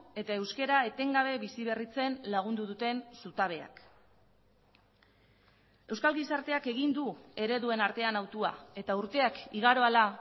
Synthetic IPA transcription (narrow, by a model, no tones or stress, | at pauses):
e̞t̪ae̞wske̞ɾae̞t̪e̞ŋɡaβ̞e̞βisiβe̞rit͡se̞nlaɣ̞und̪uðut̪e̞nsut̪aβ̞e̞a̰k | e̞wskalɣisaɾt̪e̞ake̞ɣ̞ind̪ue̞ɾe̞ðue̞naɾt̪e̞anawt̪ua̰e̞t̪auɾt̪e̞akiɣaɾo̞ala